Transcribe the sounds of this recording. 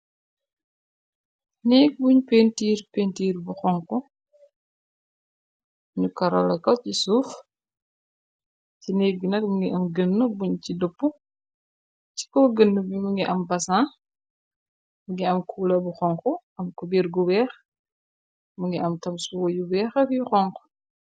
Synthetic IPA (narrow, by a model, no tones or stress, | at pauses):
nɛːk̚buɲpentiːrpeːntiːɾbuxɔŋkɔ | ɲukɐɾɔ̰lɐkɐcisuːf | cinɛːk̚ɡinɐk̚muŋɡiʔɐmɡənːəbuɲcidəpːu | ci̥kɔːɡənːəbumuŋɡiʔɐmbɐsãː | buŋɡiɐmkʰuːlɐbuxɔŋkɔ | ɐmkubiɾɡubɛːx | muŋiʔɐmtɐmsuwɔjubɛːxɐfjxɔŋkɔ̥